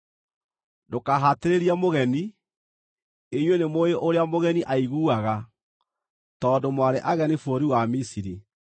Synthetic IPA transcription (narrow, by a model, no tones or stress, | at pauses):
dokaɦateɾeɾiamoɣɛni | eɲwenemoeʔoɾeamoɣɛniʔaiɣuːaɣa | tɔːdomwaɾeʔaɣɛnefoɾiwamisiɾi